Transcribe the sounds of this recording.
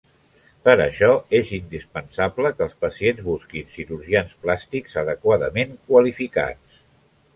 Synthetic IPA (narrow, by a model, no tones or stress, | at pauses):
pəɾəʃɔezind̪ispənsabləkəːlˠspəsienzβuskinsiɾuɾʒiansplast̪ikzəðəkwaðəmeŋkwəlifika̰t͡s